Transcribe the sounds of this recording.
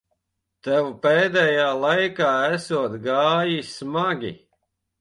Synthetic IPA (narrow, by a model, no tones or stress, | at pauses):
t̪ɛwupɛːd̪ɛjaːlˠajkaːæsuɔt̪ɡaːjismaɡʲḭ